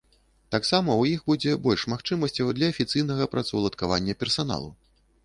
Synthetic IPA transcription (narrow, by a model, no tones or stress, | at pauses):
t̪aksamɐwjixbud͡zʲɛbɔlʲʂmaxt͡ʂɨmɐsʲt͡sʲɐwd̪lʲɐːfʲit̪sɨjnɐɣɐpɾat̪sɐwlˠɐt̪kava̰nʲːɐpʲɛrsan̪a̰lˠṵ